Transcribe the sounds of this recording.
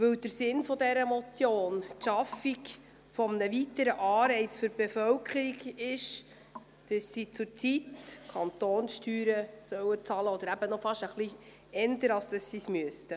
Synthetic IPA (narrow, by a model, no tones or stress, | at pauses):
vɵwd̥əɾsɪnfɔdɛɾəmɔt͡sjoːntʃɑfik | fɔmnəvitəɾəʔɑːɾɛɪt͡sføɾb̥efœwkχəɾiɡɪʃ | d̥əsːit͡sʊɾt͡sitkʰɑnt̪oːnsʃtyːɾəsœwət͡sɑləɔd̪əɾæb̥ənɔfɑʃəχli | ɛndəɾɑlsd̥əsːismyəstə